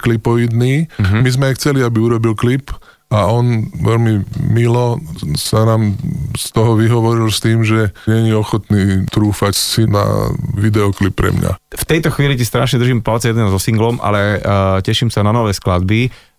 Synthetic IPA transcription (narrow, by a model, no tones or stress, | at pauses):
klipɔid̪niːmizmɛajxt͡sɛliabiuɾɔbilklip | aɔnʋɛlmimilɔsanaːmst̪ɔɦɔʋiɦɔʋɔɾilst̪iːmʒɛɲɛɲiɔxɔt̪niːt̪ɾuːfacsina̰ʋid̪ɛɔklipːɾɛ̰mɲa̰ft̪ɛjt̪ɔxʋiːlicɛst̪ɾaːʃɲɛd̪ɾ̩ʒiːmpalt͡sɛjɛd̪nɛzɔsiŋɡlɔmʔa̰lɛcɛʃiːmsananɔʋɛːsklad̪̚bi